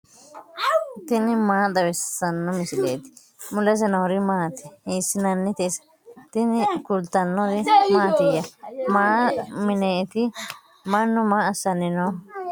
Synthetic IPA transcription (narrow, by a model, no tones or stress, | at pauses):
t̪ɪnɪmaːd̪ɐwɛsːɐnːɔmɪsɪd̪ḛːt̪ɪ̥ | mʊlɛs̬ɛnɐɔɾɪmaːt̪ɪ̥hiːsːɪnɐnːɪt̪ɛsɐ̥ | t̪ɪnɪkʊlt̪ːɐnːɔd̪ɪmaːt̪ɪjɐmaːmɪneːt̪ɪ | mɐnːʊmaːɐsːɐnːɪnoː